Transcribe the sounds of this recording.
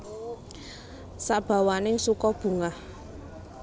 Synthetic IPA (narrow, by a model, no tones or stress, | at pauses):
saʔb̥a̤wanɪŋsukɔb̥ṳŋah